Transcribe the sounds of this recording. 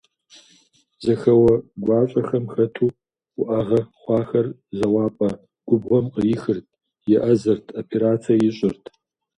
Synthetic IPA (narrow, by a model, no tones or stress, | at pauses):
zɐxɐwɐɡʷɑːɕʼɐxɐmxɐtʰuː | ʊʔɐʁɐχʷɑːxɐr | zɐwɑːpʼɐ | ɡ̥ʷʊbʁʷɔmqəɪxɨrtʰ | jɛʔɐzɐrtʰopʰeɾaːt͡sʰiɐjɪɕʼɪrtʰ